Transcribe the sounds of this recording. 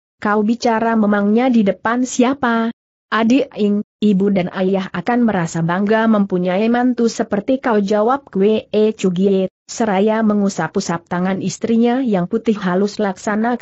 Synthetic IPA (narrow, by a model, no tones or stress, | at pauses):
kaubit͡ʃaɾaməmaŋɲadidəpansiapa | ʔadiɪŋibudanʔajjaɦakanməɾasabaŋɡaməmpuɲaimant̪usəpərt̪ikawd͡ʒawap̚kweet͡ʃuɡia | səɾajaməŋusapusap̚t̪aŋanist̪ɾiɲajaŋput̪ɪhɦalʊslaksana